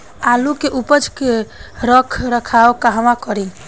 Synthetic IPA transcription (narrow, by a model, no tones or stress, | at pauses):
alukeʔupəd͡ʒkeɾəkʰɾəkʰaokaɦəʋakəɾi